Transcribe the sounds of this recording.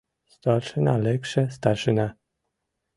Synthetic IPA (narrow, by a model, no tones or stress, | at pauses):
st̪aɾʂɨnalɛkʂɛst̪aʂɨna